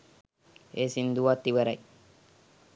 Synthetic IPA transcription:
eːsind̪uʋat̪ːiʋəɾɐ̰j

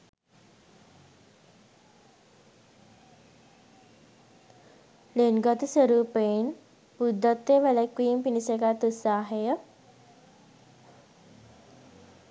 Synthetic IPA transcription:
lenɡət̪isʋəɾuːpen | pud̪ʱːət̪ːeʋɛləkwiimpinisekat̪usaːɦejə

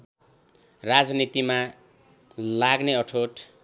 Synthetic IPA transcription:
rad͡znit̪ima | laɡneʌʈʰoʈ

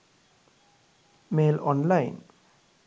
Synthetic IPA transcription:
meːlɔnlaɪn

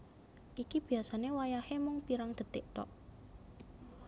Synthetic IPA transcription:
ʔikib̥i̤jasanewajahemʊŋpiɾaŋd̪̥ə̤t̪eʔt̪ɔ̰ʔ

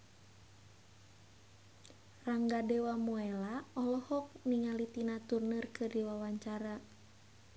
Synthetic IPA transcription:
raŋɡadɛwamuɛlaɔlɔhɔk̚niŋalit̪inat̪urnɨrkɨrdiwawaɲt͡ʃaɾa

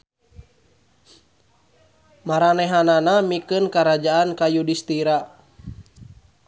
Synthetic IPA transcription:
maɾanɛɦananamikɨnkaɾad͡ʒaankajudist̪iɾa

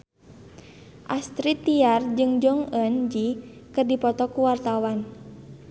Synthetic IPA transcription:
ʔast̪ɾit̪ːiard͡ʒɨŋd͡ʒɔŋənd͡ʒikɨrdipɔt̪ɔkuwart̪awan

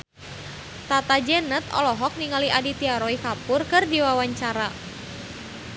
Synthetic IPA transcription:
t̪at̪ad͡ʒɛnət̪ɔ̰lɔɦɔk̚niŋaliʔadit̪iaɾɔikapʊrkɨrdiwawaɲt͡ʃaɾa

